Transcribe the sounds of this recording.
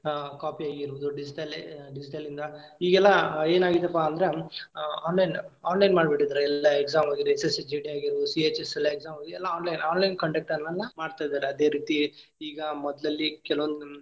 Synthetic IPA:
kaːpiaːɡiɾʋud̪uɖid͡ʒiʈɐlɖid͡ʒiʈɐlind̪ɐiːɡɛlːɐe̞ːnaːɡid̪ɐpːaɐnd̪ɐɾe | aːnlɐjnaːnlɐjnmaːɖbeʈːid̪aɾɛlːɐekzaːmaːɡiɾuesesd͡ʒiːɖiaːɡiɾʋd̪usieːt͡ʃesɛlːɐekzaːmːɡɛlːɐaːnlɐjnaːnlɐjnkɐɳɖek̚ʈɐnɐlːɐmaːɽt̪aːjd̪aːɾeɐd̪e̞ːɾiːt̪i | iːɡɐmɔd̪lɐlːikɛlɐʋond̪u

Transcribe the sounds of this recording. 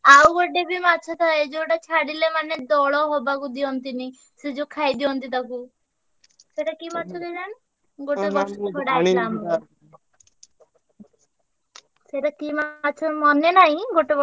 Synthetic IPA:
awɡoʈebʱimat͡ʃʰɔt̪ʰaed͡ʒoʈat͡ʃʰaɽilemaned̪ɔɭɔɦɔbakud̪iɔnt̪ini | sed͡ʒokʰajd̪iɔnt̪̬it̪aku | seʈakimat͡ʃʰɔd̪elan | ɡoʈebɔsʰɔɽailam | seʈakimat͡ʃʰɔmɔnenaɦĩɡoʈebɔ

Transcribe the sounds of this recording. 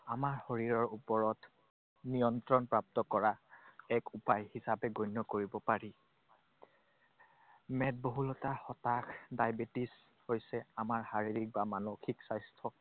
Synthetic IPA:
amaɹhoɹiɹɔɹupɔɹɔt | nijɔntɹɔnpɹap̚tɔkɔɹaɛkupajhisapɛɡojnːɔkoɹibɔpaɹi | mɛt̚boɦulɔtaxɔtakdajbetis | hojsɛamaɹhaɹiɹik̚bamanokʰiksajstʰɔ

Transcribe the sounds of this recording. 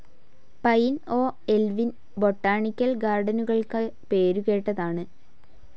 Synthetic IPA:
pɐjno̞ːelʋin | bo̞ʈːaːɳikʲːɐlɡaːrɖɐnuɣɐɭkɐpeːɾuɣe̞ːʈːɐðaːɳɨ

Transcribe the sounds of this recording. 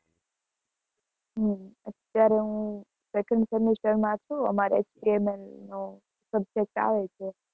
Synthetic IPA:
ɦəmət̪ːjaɾeɦũ | sekə̃ɳɖsəmisʈəɾmãt͡ʃʰuə̰maɾḛt͡ʃbiemelno | səb̚d͡ʒek̚ʈa̰ʋet͡ʃʰe

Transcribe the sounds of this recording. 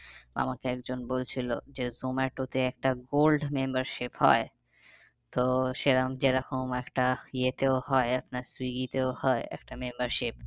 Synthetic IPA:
a̰makeɛkd͡ʑonbolt͡ɕʰilod͡ʑezomaʈot̪eɛk̚ʈaɡolɖmembaɾʃiphɔ̰e | t̪oʃeɾamd͡ʑeɾakomɛkʈajet̪eohɔeapnaɾswiɡit̪eohɔeɛ̰k̚ʈamembəɾʃip

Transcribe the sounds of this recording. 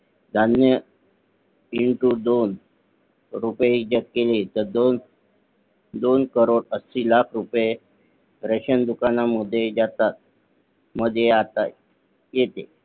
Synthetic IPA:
d̪ʱanjə | iɳʈud̪on | ɾupjeɦid͡ʑək̚kelet̪əɾd̪on | d̪onkəɾoɽəsilakʰɾupje | ɾəɕənd̪ukanaməd̪ʱːjed͡ʑat̪at̪̚ | məd̪ʱjeat̪a | jet̪e

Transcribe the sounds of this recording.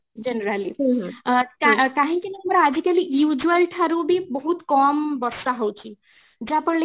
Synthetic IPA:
d͡ʒenəɾaliɦ | t̪ak̪aɦĩkineamɾaːd͡ʒikalijud͡ʒuəlʈʰaɾubʱibɔɦut̪kɔmbɔɾsaɦɔwt͡ʃʰi | d͡ʒapəɳl

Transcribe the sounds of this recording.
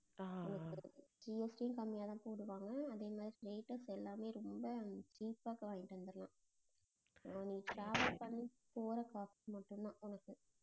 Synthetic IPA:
ʊnɐkːɯd͡ʒiesʈijɪ̃nkɐmːɪjaːt̪ãːpoːɽɯʋaːŋɡɐːðeːmaːðɾiɾeːʈːɐsɛlːaːmeːɾɔmbɐt͡ʃiːpːaːkɐʋãːŋɡɪʈːʋɐnd̪ɯɾlã̰ː | niːʈɾaːʋɐlpɐnːi | poːɾɐkaːfimɐʈːɯnːãːʔʊnɐkːɯ

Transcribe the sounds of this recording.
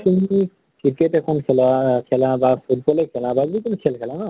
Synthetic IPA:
tumi | kiketɛkʰɔnkʰɛlakʰɛlabafʰut̚bɔlekʰɛlababuikunikʰɛlkʰɛlana

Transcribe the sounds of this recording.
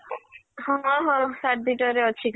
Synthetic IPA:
hɔ̃ɦɔ̃saʈ̚b̪iʈɔɾeɔt͡ɕʰik

